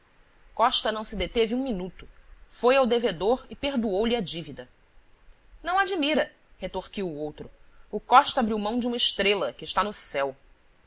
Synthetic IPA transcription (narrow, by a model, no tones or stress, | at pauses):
kɔʃt̪ɐnɐ̃w̃sɪd̪et̪evɪũminut̪ʊ̥fojawd̪eved̪oɾɪpeɾd̪uowliɐd͡ʒivid̪ɐ | nɐ̃w̃ad͡ʒimiɾɐ | het̪oχkiwʊowt̪ɾʊʊkɔʃt̪ɐabɾiwmɐ̃w̃d͡ʒũmɐɪʃt̪ɾelɐkɪːʃt̪anʊsɛw